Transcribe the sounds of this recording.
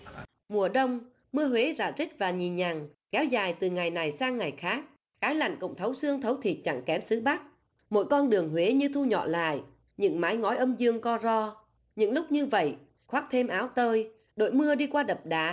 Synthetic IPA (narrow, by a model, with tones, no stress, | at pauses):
mu˨˩əɗə˧wŋ͡m | mɨ˧əɦwe˨˦za̰ː˧˩zi˦˥t̚vaː˨˩ɲi˨˩nɲa˨˩ŋ | kɛ˨˦wzaː˨˩jt̪ɨ˨˩ŋa˨˩jna˨˩jsaː˧ŋːa˨˩jxaː˦˥k̚ | kaː˨˦jla̰˧˨jŋ̟kə̰˧˨ŋ͡mt̪ʰə˨˦wsɨ˧əŋt̪ʰə˨˦wt̪ʰi˨˩t̚t͡ɕa̰˧˩ŋkɛ˨˦msɨ˨˦ɓa˦˥k̚ | mo̰˧˥jkɔ˧nɗɨ˨˩əŋɦwe˨˦ɲɨ˧t̪ʰu˧ɲɔ̰˧˨la̰ː˧˨j | ɲɨ̰˧˥ŋmaː˨˦jŋɔ˨˦jʔə˧mzɨ˧əŋkɔ˧zɔ˧ | ɲɨ̰˧˥ŋlʊ˦˥k͡p̚ɲɨ˧və̰˧˨j | xwaː˦˥k̚t̪ʰe˧mʔaː˨˦wt̪əː˧j | ɗo̰˧˩˨jmɨ˧əɗi˧kwaː˧ɗə˨˩p̚ɗaː˨˦